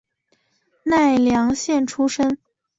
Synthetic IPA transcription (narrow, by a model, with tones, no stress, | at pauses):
na˥˩ɪljɑ˧˥ŋɕjɛ˥˩nʈ͡ʂʰu˥ʂə˥ŋ